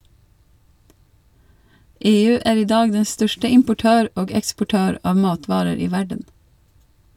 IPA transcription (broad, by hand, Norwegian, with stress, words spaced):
ˈeːˌʉː ˈæːɾ ˈiː ˈdɑːɡ ˈdɛ ˈstœʃtə ɪmpʊˈʈøːɾ ˈoːɡ ɛkspʊˈʈøːɾ ˈɑːʋ ˈmɑːtʋɑːɾəɾ ˈiː ˈʋæɖən